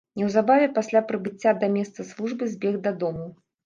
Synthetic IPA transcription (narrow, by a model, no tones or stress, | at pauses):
nʲɛwzabavʲɛpasʲlʲapɾɨbɨt͡sʲːad̪ɐmʲɛst̪sɐslˠuʐbɨzʲbʲɛɣd̪ɐd̪ɔmu